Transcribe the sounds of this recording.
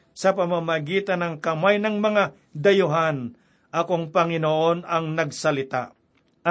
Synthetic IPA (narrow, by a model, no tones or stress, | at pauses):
sɐpɐmamɐɡiːt̪ɐnɐŋkɐmajnɐŋmɐŋa | d̪ɐjʊɦan | ʔɐko̞ŋpɐŋɪnoːʔo̞nɐŋnɐɡsɐlɪt̪a̰ʔ